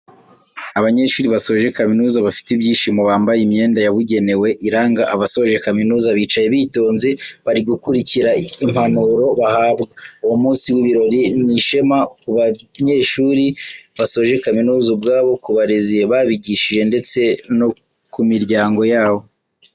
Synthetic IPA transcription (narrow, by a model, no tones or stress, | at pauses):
aβaɲe̞ːʃuːɾiβasoʒe̞kaminuːzaβafi̥tibɟiːʃimoβaːmbajime̞ːndajaβuɟe̞ne̞we̞ʔiɾaːŋɡaʔaβasoβoʒe̞kaminuːzaβiːt͡ʃajeβiːto̞ːnzeβaɾiɡukuɾiciɾaim̥hanuɾo̞βahaːbɡauwomuːnsiwiβiɾo̞ɾiniʃe̞makuβaɲe̞ʃuːɾiβaso̞ʒe̞kaminuːzubɡaːβo̞kuβaɾezijeβaβiɟiʃiʒe̞nde̞t͡se̞no | kumiɾɟaːŋɡo̞jaːβo̞